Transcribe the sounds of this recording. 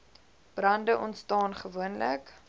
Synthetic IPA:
b̥rɐndəʔɔntstɑːnχəvuənlə̰k

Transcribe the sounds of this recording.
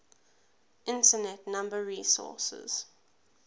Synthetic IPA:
ʔɪ̃ntənɛtnãmbəɹiːsɔ̰ˑsə̰z̥

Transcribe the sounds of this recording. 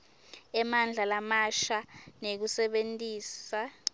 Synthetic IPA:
ɛmand͡ɮʱalamaʃanek̬usɛɓentʼiːsa

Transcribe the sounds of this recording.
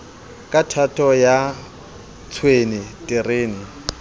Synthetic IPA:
kʼatʰatʼɔja | t͡sʰwenɪtʼɪreːnɪ

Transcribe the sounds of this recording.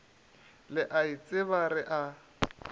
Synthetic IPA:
lɪʔait͡sʼɪβarɪʔa

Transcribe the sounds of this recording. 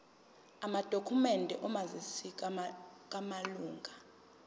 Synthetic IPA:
amad̥ʱokʰumɛndʱɛʔɔmazisikʼk̬ʼamaluːŋɡʱa

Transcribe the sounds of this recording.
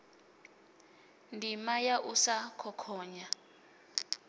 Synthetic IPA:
ndʱimajaʔusakʰɔkʰɔːɲa

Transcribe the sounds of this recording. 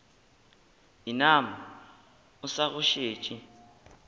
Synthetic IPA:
inama | ʊsaɣʊʃeːt͡ʃʼɪ

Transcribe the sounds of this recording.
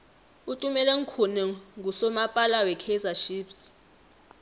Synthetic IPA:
utʼumɛlɛŋ̩kʰunɛŋɡʱusɔmapʼalawɛkʰɛzaʃiːps

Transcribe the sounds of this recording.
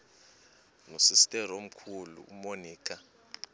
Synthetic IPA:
nusistʼɛɾom̩kʰulṵumoniːkʰʼa

